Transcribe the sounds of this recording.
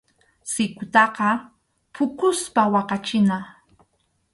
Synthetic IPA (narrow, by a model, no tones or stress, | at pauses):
sɪkʊt̪ɑqɑ | pʰʊkʊspawɑqɑt͡ʃɪna